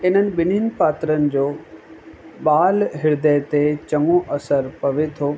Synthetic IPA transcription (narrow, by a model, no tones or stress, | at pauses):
ɪn̤ənɪ̆ɓɪninɪ̆paːt̪ɾənɪ̆d͡ʑoː | ɓaːlɦɪɾd̪ət̪et͡ɕɐŋoʔɐsəɾpɐʋet̪ʰoː